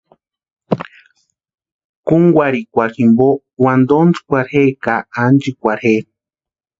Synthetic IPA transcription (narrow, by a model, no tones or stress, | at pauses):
kuŋɡʷaɾikʷaɾximbo | wand̪ont͡skʷaɾhekaand͡ʒikʷaɾhe